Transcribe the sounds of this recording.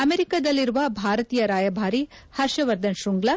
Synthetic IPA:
ɐmeɾikad̪ɐlːiɾuʋɐbʱaːɾɐt̪iːjɐɾaːjɐbʱaːɾi | hɐɾʃɐʋɐɾd̪ɐnʃuŋɡlɐ

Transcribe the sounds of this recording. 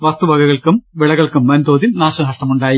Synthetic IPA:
ʋɐst̪ubʱɐɡɐɣɐɭkumʋiɭɐɣɐɭkumːɐnd̪oːd̪imnaːʂɐɦɐʂʈɐmuɳɖaːji

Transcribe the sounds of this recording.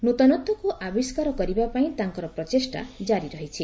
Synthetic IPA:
nut̪ɔnɔt̪ːɔkuʔabiskaɾɔkɔɾibapaĩt̪aŋkɔɾɔpɾɔt͡ʃesʈa̰d͡ʒaɾiɾɔɦit͡ʃʰi

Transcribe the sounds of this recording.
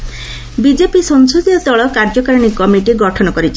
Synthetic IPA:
bid͡ʒepisɔŋsud̪iɔt̪ɔɭɔkaɾd͡ʒɔkaɾɔɽ̃ikɔmiʈiɡɔʈʰɔnɔkɔɾit͡ʃʰe

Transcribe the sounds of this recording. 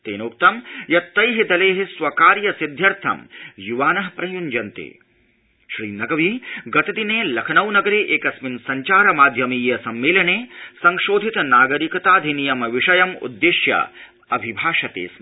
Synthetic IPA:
t̪ḛːnoːk̚t̪ɐmjɐt̪ːɐjɦid̪ɐleːɦisʋɐkaːɾjɐsid̪ʱjɐɾt̪ʰɐ̰mjuʋaːnɐɦpɾɐjund͡ʒɐnt̪ḛː | ʃɾiːnɐɡɐʋiɡɐt̪ɐd̪ineːlɐkʰɐnɐwnɐɡɐɾeːʔeːkɐsminsɐɲt͡ʃaːɾɐmaːd̪ʱjɐmijːɐsɐmːeːlɐneːsɐŋʃoːd̪ʱit̪naːɡɐɾikɐt̪aːd̪ʱinijɐmɐʋiʂɐjɐmṵd̪ːeʃjɐ̰ | ɐbʱibʱaːʂɐt̪ḛːs

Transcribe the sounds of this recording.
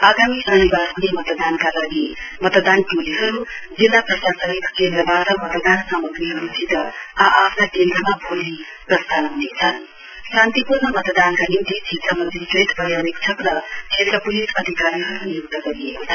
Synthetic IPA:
aɡamiʔʌnibasnemʌt̪d̪ankalaɡi | mʌt̪d̪anʈuliɦʌɾu | d͡zilːaprʌsasʌɦik̪kend̪ɾʌbatʌmʌt̪d̪ansamʌɡɾiɦʌɾut͡sʰit̪ʌaʔapʰnakend̪ɾʌmabʱoli | prʌst̪ʰanɦunet͡sʰʌn | sãnt̪ipurnʌmʌt̪d̪ankanimt̪it͡sʰisʌmʌd͡ziʈreʈbʌjabekt͡sʰʌkɾʌkʰet̪ɾʌpulisʌd̪ʱikaɾiɦʌɾunijokt̪ʌɡʌɾiekot͡sʰ

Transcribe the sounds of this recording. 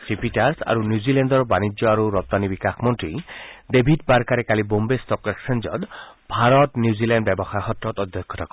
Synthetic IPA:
tɾipiʈaɾsa̰ɾunjuzilendɔɾɔbanid͡ʒjɔaɾuɾɔp̚t̪anibikakʰmɔnt̪ɾid̪ebʱidbaɾkaɾekalibombest̪ɔkɾeksend͡ʒɔ̰d̪ | bʱaɾɔt̪njuzilanɖbjebɔxajɦɔt̪ɾɔt̪ɔd̪ʱjɔkʰːɔt̪akɔ

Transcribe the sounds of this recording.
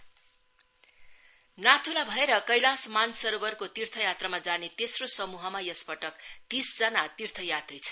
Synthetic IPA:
nat̪ʰulabʱʌeɾʌkʌjlãsmansʌɾobʌrkot̪irt̪ʰʌjat̪ramad͡zanet̪esrosʌmuɦʌmajʌspʌʈʌkt̪isd͡zʌnat̪irt̪ʰʌjat̪rit͡sʰʌ̥

